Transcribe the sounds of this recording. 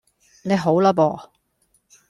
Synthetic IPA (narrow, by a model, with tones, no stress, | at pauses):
ne˨˧ɦo˨˥wlɐ˥pɔː˨